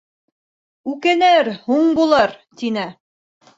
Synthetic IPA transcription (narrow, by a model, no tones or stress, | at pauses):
ʉkænæɾhuɴbulˠɤɾt̪inɘ